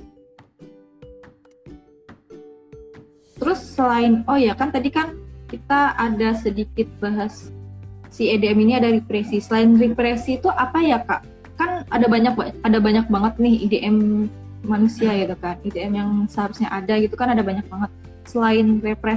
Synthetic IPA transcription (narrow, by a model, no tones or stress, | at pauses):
t̪əɾʊsːəlaɪnohjakant̪adikankit̪aʔadasədikɪt̪̚baɦasː | iedeɛminiadaɾipɾesisəlaɪnrepɾesiːt̪uʔapajaka̰ʔ | kana̰dabaɲak̚aadabaɲak̚baŋət̪̚nɪhḭdeʔɛmː | anusiaɡit̪ukanideɛmjaŋsəɦaɾusɲaʔadaɡit̪ukanadabaɲak̚baŋət̪̚ | səlaɪnrepɾɛ